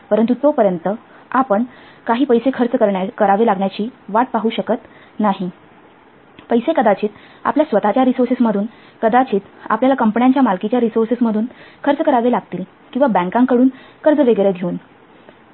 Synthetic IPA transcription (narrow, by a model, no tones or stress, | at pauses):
pəɾənt̪ut̪opəɾjənt̪ə | apəɳ | kaɦiːpəjsekʰəɾt͡səkəɾɳjakəɾaʋelaɡɳjat͡ɕiːʋaʈ̚paɦuɕəkət̪ | naɦi | pəjsekəd̪at͡ɕiːt̪ | a̰pljasʋət̪at͡ɕjaɾisoɾsesməd̪ʱuːn | kəd̪at͡ɕiːt̪a̰pljalakəmpɳjaɲt͡ɕjamalkit͡ɕjaɾisoɾsesməd̪ʱuːnkʰəɾt͡səkəɾaʋelaɡt̪iːl | kĩw̃ʋabæ̃ŋkãŋkəɽuːnkəɾd͡zəʋeɡəɾed̪ʱeuːn